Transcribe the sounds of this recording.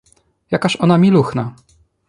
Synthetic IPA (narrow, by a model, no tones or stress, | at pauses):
jakaɕɔnamʲiluxna